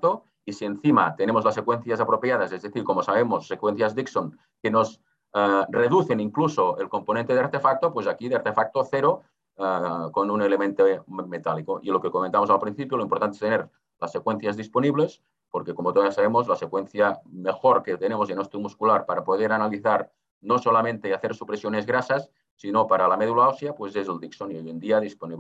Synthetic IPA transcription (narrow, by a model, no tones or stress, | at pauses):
t̪o | isienθima̰t̪enemozlasːekwenθjasapɾopjaðasezðeθiɾkomosaβemosːekwenθjazðiksoŋ | kenoz | reðuθeniŋklusoelkomponẽnt̪eðeaɾt̪efak̚t̪opwezakiðeaɾt̪efak̚t̪oθeɾo | konunelement̪omet̪alikoʔilokekoment̪amozalpɾinθipjoloimpoɾt̪ant̪est̪eneɾ | lasːekwenθjazðisponiβles | poɾkekomot̪oðasːaβemozlasekwenθjamexoɾket̪enemozenost̪umuskulaɾpaɾapoðeɾanaliθaɾ | nosolamẽnt̪eaθeɾsupɾesjonezɣɾasasː | inopaɾalameðulaosiapwezezeld̪iksoniojend̪iaðisponiβ